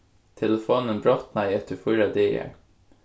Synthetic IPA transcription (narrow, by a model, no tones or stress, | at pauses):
t̪ʰɛləfoːnənbɹɔt̪nɑɪɛt̪əfʊɾɑd̪eːə̰ɹ